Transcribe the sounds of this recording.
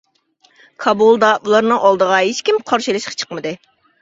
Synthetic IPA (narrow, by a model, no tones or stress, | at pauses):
kʰɑbulˠd̪ɑʔulˠɑɾnɨŋʔɑlˠd̪əʁɑɦet͡ʃkʲimqʰɑɾʃilˠɨʃqʰɑ̥t͡ʃʰə̥qmɨd̪ɨ